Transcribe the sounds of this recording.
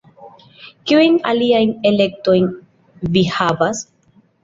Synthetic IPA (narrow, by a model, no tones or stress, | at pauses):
kiujna̰liajnele̞k̚to̞jn | vihavas